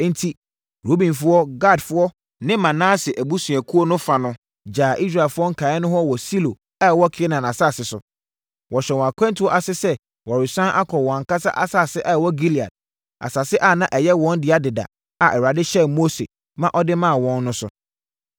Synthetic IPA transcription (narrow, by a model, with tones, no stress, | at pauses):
n̩˦tʰi˦ | ɾo˦bĩ˨nfʊ˦ɔ˦ɡa˦˨dfʊ˦ɔ˦ | nɪ̃˦mã˨nãː˦sɪ˨ʔæ˨bu˦sũ˨æ˨kʰu˦ɔ˦nʊ̃˦fa˨nʊ̃˦ | d͡ʑaː˨ʔi˦s̬ɾa˨lfʊ˦ɔ˦ŋ̩˦kʰa˨ɪ˦nʊ̃˦ɦɔ˦wɔ˨si˦lo˨ | a˦˨wɔ˦kʰːnã˨nã˨sa˦˨sɪ˦sʊ˨ | wɔ˨ɕɛ˨wɔ̃˨a˨kʷʰɛ̃˦ntʰwɔ˦ʔa˨sɪ˦sɛ˦ | wɔ˨ɾɪ˨sã˦ʔa˦kʰɔ˨wɔ̃˨ŋ̩˨ka˦sa˦ʔa̰˦sa˦˨sɪ˦ʔa˦˨wɔ˦ɡi˦li˨a̰˨d̚ | a̰˨sa˨sɪ˦ʔa˦˨nã˦ʔɛ˨jɛ˦wɔ̃˦ndɪ˨˦a˦dɪ˨da̰˨ | a˨ʔɛ˨wa˨dɪ˦ɕɛ˦mo˦sḛ˨ | mã˦ʔɔ˦dɪ˦mã˦a˨wɔ̃˦nːʊ̃˦sʊ̰˦